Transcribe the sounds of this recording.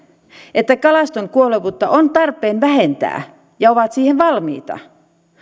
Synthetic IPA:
ʔet̪ːækɑlɑst̪oŋkuoleʋut̪ːɑʔont̪ɑrpˑeːnʋæɦe̞nt̪æ̰ː | jɑoʋɑt̪siːheʋʋɑlmḭːt̪ɑ̰

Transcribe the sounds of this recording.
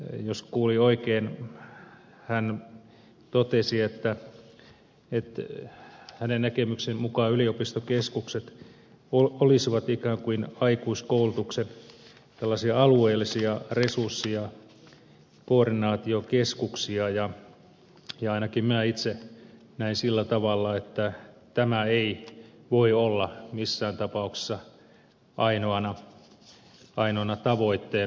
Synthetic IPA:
joskuːlioikeːn | hæn | t̪ot̪esiet̪ːæ | et̪ | hænennækemyksemmukɑːyliopist̪okeskukset̪ | oolisiʋɑt̪ikæːŋkuinɑikuiskoulut̪uksen | t̪elːɑsiɑɑlueːlːisiɑresursːiɑ | koːrdinɑːt̪iokeskuksiɑjɑ | jɑɑinɑkimmæit̪se | næinsilːæt̪ɑʋɑlːɑet̪ːæ | t̪æmæeiʋoiolːɑmisːæːnt̪ɑpɑukse̥sːɑ | ʔɑinoɑnɑ | ɑinoɑnɑt̪ɑʋoit̪ːeː

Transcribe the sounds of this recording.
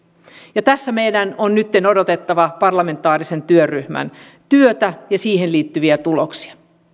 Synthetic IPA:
jɑt̪æsːæme̞jdænonnyt̪ːe̞nodot̪e̞t̪ːɑʋɑpɑrlɑme̞nt̪ˑɑːɾise̞nt̪yøryhmæ̰n | t̪yøt̪æjɑsiːhenliːt̪ːyʋiæt̪uloksi̥ɑ̥

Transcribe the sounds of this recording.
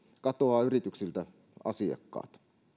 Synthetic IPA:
kɑt̪oɑːyrit̪yksilt̪æ | ɑ̰siɑ̰kːɑ̰ːt̪

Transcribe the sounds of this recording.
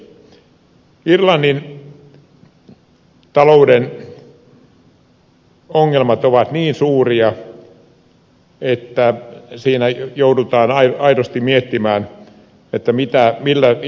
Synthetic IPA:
irlɑnːin | t̪ɑlouden | oŋːelmɑt̪oʋɑt̪niːnsuːriɑ | et̪ːæsiːnæjoudut̪ɑːnɑiɑiɾost̪immiet̪ːimæːn | et̪ːæmit̪æmilːæ

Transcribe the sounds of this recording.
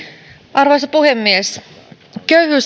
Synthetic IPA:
ʔɑrʋosɑpuhemːies | køyhyːs

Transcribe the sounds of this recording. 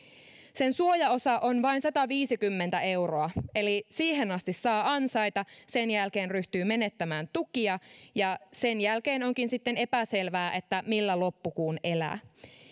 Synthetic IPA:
se̞nsuojɑo̞sɑʔo̞nʋɑinsɑt̪ɑʋiːsikymːent̪æe̞wro̞ɑe̞lisiːɦe̞nɑst̪isːɑːɑnsɑjt̪ɑse̞njælk̟e̞ːnryht̪yːme̞ne̞t̪ːæmæːnt̪ukiɑjɑse̞njælke̞ːno̞ŋkinsit̪ːe̞ne̞pæse̞lʋæːʔe̞t̪ːæmilːælo̞pːukuːne̞læ̰ː

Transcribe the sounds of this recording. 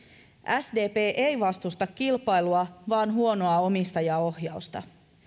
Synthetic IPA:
ʔæsde̞ːpe̞ːʔe̞jʋɑst̪ust̪ɑkːilpɑjluɑʋɑːnɦuo̞no̞ɑo̞mist̪ɑjɑo̞hjɑust̪ɑ̰

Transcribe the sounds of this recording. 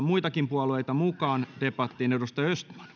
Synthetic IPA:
muit̪ɑkimpuɑluejt̪ɑmukɑːnt̪epːɑt̪ːiːneudost̪ɑjøst̪mæ̥n̥

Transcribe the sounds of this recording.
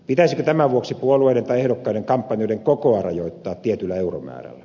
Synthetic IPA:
pit̪æsikøt̪æmæʋuoksipuolueiɾent̪ɑiehdokːɑiɾeŋkɑmpːɑnijoˑiɾeŋkokoɑrɑ̰joˑit̪ːɑːt̪t̪ːiet̪ylːæeuro̰mæ̰ːræ̰lːæ

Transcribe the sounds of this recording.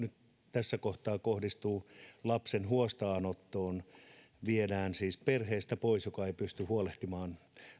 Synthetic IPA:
nyt̪ | t̪æsːækoht̪ɑːkohdist̪uːlɑpsenhuost̪ɑːnot̪ːoːn | ʋiedæːnsiːsperheːst̪æpoisjokɑeipyst̪yhuoleht̪imɑːn

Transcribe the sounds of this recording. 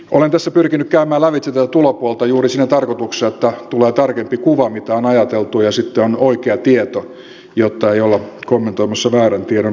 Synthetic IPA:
ʔolent̪æsːæpyrkinykkæymæːlæʋit̪sit̪æt̪ulopuolt̪ɑjuːrisinːæt̪ɑrkot̪ukseet̪ːæt̪uleːt̪ɑrkempikuʋɑmit̪æonɑjɑt̪elt̪ujɑsit̪ːeonoikeɑt̪iet̪o | jot̪ːɑeiolːɑkomːent̪oimɑsːɑʋæːrænt̪ieɾon

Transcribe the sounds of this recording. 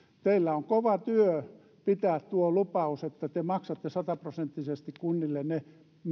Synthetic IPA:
t̪eilːæoŋkoʋɑt̪yø | pit̪æːt̪t̪uolupɑuset̪ːæt̪emɑksɑt̪ːesɑt̪ɑprosent̪ːisest̪ikkunːilːenne | m

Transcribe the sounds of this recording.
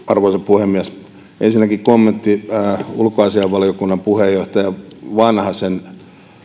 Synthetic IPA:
ɑrʋoisɑpuhemːiæs | ḛnsinːˑækikomːent̪ːiulkoɑsiɑʋʋɑliokunːɑmpuhejːoht̪ɑjɑʋɑnhɑsen

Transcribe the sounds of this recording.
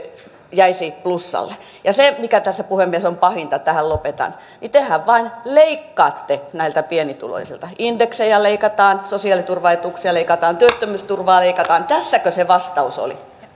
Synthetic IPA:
jæisiːt̪̚plusːɑ̰lːe | jɑsemikæt̪æsːæpuhemːiesompɑhint̪ɑt̪æhællopet̪ɑ̰n | nit̪ehæʋʋɑinleikːɑːt̪ːenæilt̪æpienit̪ṵlo̰isḭlt̪ɑind̥̪eksejɑleikɑt̪ɑːnsosiɑˑlit̪urʋɑet̪uksiɑleikɑt̪ɑːnt̪yøt̪ːømyːst̪urʋɑːleikɑt̪ɑːnt̪æsːækøseʋɑst̪ɑuso̰lḭ

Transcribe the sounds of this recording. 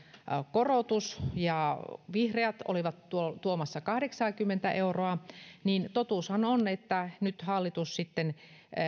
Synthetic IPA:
korot̪usjɑʋihreæt̪o̰liʋɑt̪tuot̪uomɑsːɑkɑhɾeksɑːkymːent̪æʔeuroɑnint̪ot̪uːˑshɑnonet̪ːænyt̪hɑlːit̪ussit̪ːen

